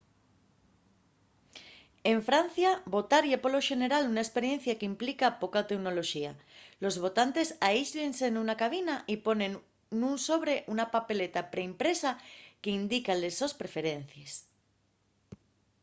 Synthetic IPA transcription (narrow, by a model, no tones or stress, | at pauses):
e̞ɱfɾan̟θjabo̞t̪aɾjapolo̞ʃe̞ne̞ɾalunaespe̞ɾje̞n̟θjakeimplikapo̞kat̪ekno̞lo̞ʃia̰lo̞zβo̞t̪ant̪e̞saizʎensenunakaβ̞inaʔipo̞nẽn | nũnso̞β̞ɾe̞ʔunapape̞le̞t̪apɾeimpɾe̞sakeind̪ikallesospɾe̞fe̞ɾe̞n̟θjes